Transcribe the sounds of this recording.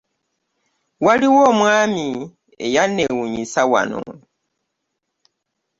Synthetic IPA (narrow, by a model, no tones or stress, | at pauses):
waliwomwami | ḛjanewuɲisawa̰no̰